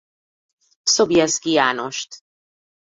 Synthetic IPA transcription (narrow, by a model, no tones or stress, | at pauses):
sobjɛskijaːnoʃt̪